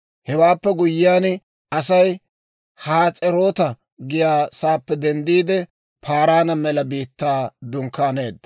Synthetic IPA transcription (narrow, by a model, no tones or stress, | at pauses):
hɛwaːpːɛɡʊjːɪjaːn | ɐsɐj | haːt͡sʼɛɾo̞ːt̪ɐ | ɡɪjaːsaːpːɛd̪ɛnd̪iːd̪ɛ | pʰaːɾaːnɐmɛlɐbiːt̪ːaːd̪ʊŋkːaːneːd̪ːɐ